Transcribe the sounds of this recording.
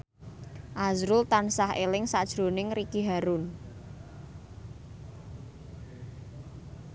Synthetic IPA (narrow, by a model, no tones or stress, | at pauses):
ʔazɾʊlt̪ansahelɪŋsad̥ʒ̥ɾo̤nɪŋrikiɦaɾʊn